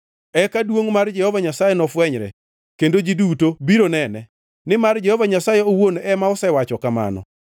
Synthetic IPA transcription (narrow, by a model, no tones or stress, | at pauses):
ɛkadwoŋmard͡ʒɛhɔvaɲasajɛnɔfwɛɲɾɛ̰ | kendod͡ʒidutobiɾonɛnɛ | nɪmard͡ʒɛhɔvaɲasajɛowonɛmaɔsɛwat͡ʃɔkama̰nɔ̰